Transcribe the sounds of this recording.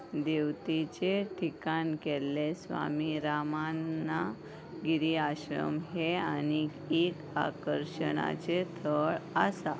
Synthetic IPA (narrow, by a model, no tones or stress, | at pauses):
d̪eʋt̪it͡ɕeʈʰikankɛlːesʋa̰miɾamanːa | ɡiɾiaɕɾə̰mɦeani | ek | a̰kəɾɕəɽa̰t͡set̪ʰəɭəsa